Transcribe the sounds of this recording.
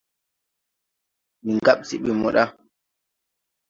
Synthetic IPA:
miŋɡaɓsi˨ɓɛmɔ̰˨ɗa˦

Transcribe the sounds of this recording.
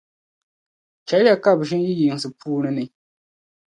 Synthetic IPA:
t͡ʃɛ˨˦la˦ka˦˨bʃɪ˦nji˦jɪ˨ŋ˨sɨ˨puː˦nɨ˦nɨ˨

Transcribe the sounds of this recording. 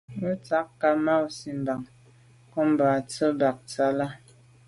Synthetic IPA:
u˦t͡sa˨˦kkːa˨ma˦wsi˦m̩˨ba˨ŋ | kɔ˦m˨ba˨t͡sə˦ba˨k̚t͡sa˦la˦

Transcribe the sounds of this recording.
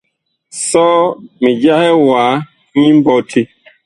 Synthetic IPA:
sɔ˦mi˨d͡ʒa˦hɛ˦waː˨˦ | ɲi˦m˦bɔ˦tʰi˦

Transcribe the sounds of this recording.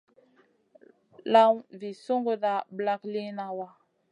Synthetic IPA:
la˦wvi˨so˦ŋɡo˨da˨bla˦kli˦na˨wa˦

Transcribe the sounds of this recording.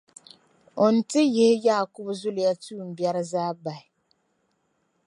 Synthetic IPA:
o˨n̩˦tɪ˦jɪ˦hɪ˦ja˦˨kʊ˦bzʊ˦lɪ˨ja˦tuː˦˨m̩˨bjɛ˦ɾɨ˦zaː˦ba˨ɪ˨

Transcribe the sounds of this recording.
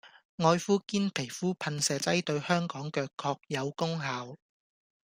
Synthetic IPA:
ŋɔː˧jfuː˥kiː˥npʰe˨˩jfuː˥pʰɐ˧nsɛː˨˧t͡sɐ˥jt̪ɵ˧ɥhœː˥ŋkɔː˨˥ŋkœː˧kʰːɔː˧k̚jɐ˨˧wkʊ˥ŋɦaː˨˧w

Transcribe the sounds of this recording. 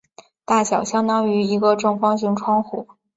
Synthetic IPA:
t̪a˥˩ɕjɑ˨˩ʊɕjɑ˥ŋt̪ɑ˥ŋy˧˥i˧˥ɡə˧ʈ͡ʂɤ˥˩ŋfɑ˥ŋɕ̬y˧˥ŋʈ͡ʂʰwɑ˥ŋxṵ˨˩˦

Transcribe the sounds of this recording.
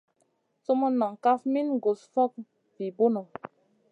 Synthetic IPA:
so˦mo˦nɔ˨ŋ˨ka˦fmi˦nɡo˨sfɔ˦k̚ | vi˨bo˦no˨

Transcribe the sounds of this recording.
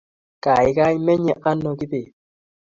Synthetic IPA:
ka˨i˨˦ka˦i˦mɛ˦ɲɛ˦˨ʔa˦nːɔ˨ki˦pe˨

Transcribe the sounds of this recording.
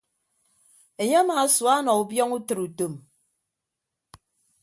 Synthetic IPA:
e˨ɲe˦a˦ma˨˦swa˦nɔ˨u˨bjɔ˦ŋu˦tɨ˨ɾu˨to˨m

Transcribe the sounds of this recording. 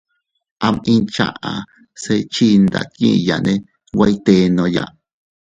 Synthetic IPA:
ʔa˧mʔĩ˧nt͡ʃa̰˧ʔa˨ | se˧t͡ʃi˧nd̪a̰˨t̪̚kḭ̃ː˦˧ja˨nẽ˦˧ | wʷa˧˦jt̪e˧nõ˧ja˧ʔ

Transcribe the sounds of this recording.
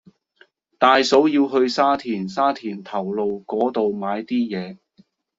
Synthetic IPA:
t̪aː˨jso˨˥wjiː˧wɦɵ˧ɥsaː˥t̪ʰiː˨˩nsaː˥t̪ʰiː˨˩nt̪ʰɐ˨˩wlo˨˧wkɔː˨˥t̪o˨wmaː˨˧jt̪iː˥jɛː˨˧

